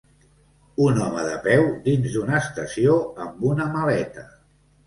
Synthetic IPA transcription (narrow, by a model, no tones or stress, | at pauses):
unɔmə̰ðəpɛwd̪inzd̪unəːst̪əsioəmbunəməlɛt̪ə